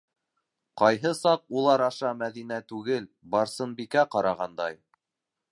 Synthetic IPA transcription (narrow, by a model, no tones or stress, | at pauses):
qɑjɦɤsɑq̚ulˠɑɾɑʃɑmæðinæt̪ʉɡɘlbɑɾsɤ̆nbikæqɑɾɑʁɑnd̪ɑj